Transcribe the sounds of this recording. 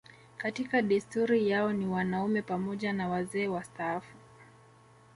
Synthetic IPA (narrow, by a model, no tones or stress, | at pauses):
katikaɗistuɾijaɔniwanaumɛpamɔʄanawazɛːwastaafu